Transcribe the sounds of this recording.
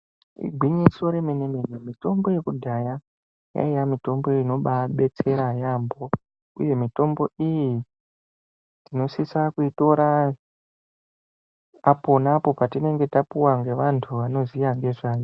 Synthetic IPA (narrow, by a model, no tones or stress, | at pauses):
ḭɡʱwiɲiso̞ɾe̞me̞nemenemito̞mboje̞kudʱaja | ja̰ijamito̞mbo̞ino̞ɓaɓe̞t͡se̞ɾajambo̞ | uje̞mito̞mbo̞iji | tino̞sisakuito̞ɾa | po̞napo̞patine̞ŋɡe̞tapuwaŋɡe̞ʋantʰuʋano̞zijaŋɡe̞ʐaːjo